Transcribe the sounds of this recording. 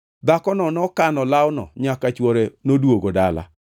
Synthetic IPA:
d̪akɔnɔnɔkanɔlawnɔ̰ɲakat͡ʃwɔɾenodwoɡoda̰la̰

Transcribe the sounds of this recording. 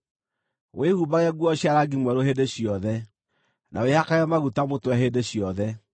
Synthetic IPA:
wehubaɣɛɡwɔɕjaɾaɡimwɛɾoɦedeɕijɔðɛ | nʔa̰wehakaɔmaɣutamotwɛɦedeɕiɔðɛ

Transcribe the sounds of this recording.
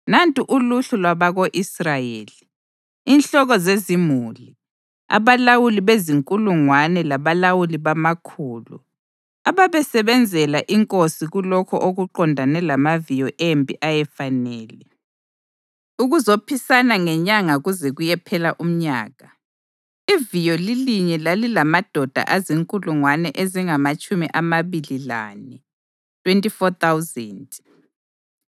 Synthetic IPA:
nantʼiʔuluɬulwaβaɣoʔisrajeːliː | nɬɔɣɔzezimuli | a̰βalawuliβeziŋkʼuluŋwanɛlaβalawuliβamakʰuːlṵ | aβaβɛsɛβɛnd͡zʱɛlaʔiŋkʼosiɣulɔkʰɔʔoɣuǃɔndʱanɛlamavijɔʔembʱʼiʔajɛfanɛːlɛ | uɣuzopʰisanaŋɛɲaŋaɣuzɛɣujɛpʰɛlaʔum̩ɲaːɣa | ivijɔliliɲɛlalilamad̥ʱɔd̥ʱa̰ʔaziŋkʼuluŋwanɛʔeziŋamat͡ʃʼumiʔamaβilila̰nɛ | tʰʼwentʼifɔt̪ʰawzɛnd

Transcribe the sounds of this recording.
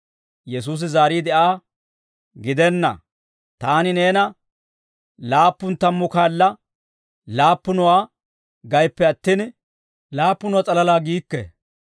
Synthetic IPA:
jɛs̬uːs̬ɪzaːɾiːd̪ɛʔaː | ɡɪd̪ɛnːɐ̰ | t̪aːnɪne̞ːnɐ | laːpːʊnt̪ɐmːʊkaːlːɐ | laːpːʊnɔwaː | ɡɐjpːɛɐt̪ːiːn | laːpːʊnɔwat͡sʼɐlɐlaːɡiːkːɛ̰

